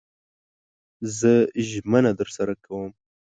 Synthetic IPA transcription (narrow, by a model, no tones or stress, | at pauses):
zəʒmənad̪əɾsaɾakʰawəm